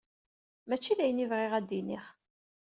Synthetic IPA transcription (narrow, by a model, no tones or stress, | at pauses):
mæt͡ʃːiðæjənivʁɪʁæd̪ːiniχ